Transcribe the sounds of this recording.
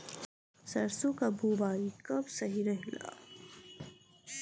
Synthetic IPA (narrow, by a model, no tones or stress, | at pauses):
sɐɾsukabubaːikɐbsɐɦiɾɐɦla̰ː